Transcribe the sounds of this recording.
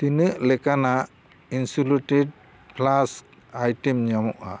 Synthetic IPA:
t̪inɯʔlɛkanaʔ | insuluʈed̚ | pʰlas | ajʈimɲamɔʔa̰

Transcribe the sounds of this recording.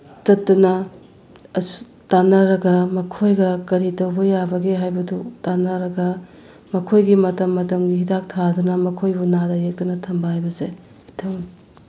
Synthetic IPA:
t͡ʃɐtːunɐ | ɐsu̥ | tanɐɾɐɡɐmɐkʰojɡɐkɐɾitɐwbɐjabɐɡeɦajbɐdutanɐɾɐɡɐ | mɐkʰojɡimɐtɐmːɐtɐmɡiɦidak̚tʰadunɐmɐkʰojbunadɐjek̚tunɐtʰɐmbɐhajbɐze | itʰɐm

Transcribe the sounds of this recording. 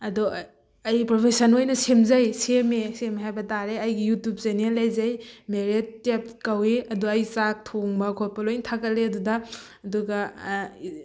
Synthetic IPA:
ɐdɔ | ɐjpɾopʰesɐnojnɐsemzajsemesemeɦajbɐtaɾeɐjɡijutjup̚zenialajzajmeɾet̚ːep̚kaweɐduɐjsak̚tʰoŋbɐkʰot̚pɐlojntʰakɐleɐdudɐː | duɡɐ

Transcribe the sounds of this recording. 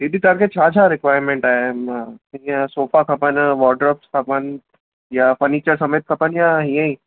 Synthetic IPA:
id̪it̪aɾket͡ʃʰaːd͡ʒʰaɾɪkʋaːjɾmẽɳʈaːeijasoːpakʰɐpənʋɔːɖɾɔːpskʰɐpən | jafəɾniːt͡ʃəɾsɐmeːt̪̚kʰɐpənjaɦĩjə̃ĩ

